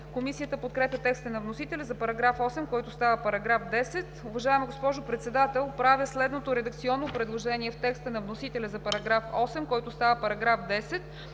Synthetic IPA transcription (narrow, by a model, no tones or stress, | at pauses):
komisijət̪əpot̪̚kɾɛpʲət̪ɛkst̪ənɐvnosit̪ɛlʲɛzɐpɐɾɐɡɾafɔsɛmkɔjt̪ʊst̪avəpɐɾɐɡɾafd̪ɛsɛt̪ʊvɐʒaɛmɡospɔʒʊpɾɛt̪sɛd̪at̪ɛlˠpɾavjəslɛd̪not̪oɾɛd̪ək̚t̪siɔnːopɾɛd̪lˠoʒɛniɛft̪ɛkst̪ənɐvnosit̪ɛlʲɛzɐpɐɾɐɡɾafɔsɛmkɔjt̪ʊst̪avəpɐɾɐɡɾafd̪ɛsɛt̪